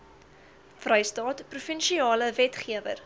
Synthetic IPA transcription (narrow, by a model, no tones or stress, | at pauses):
frəjstɑːtprufənʃiɑːləvɛtχiəvə̰r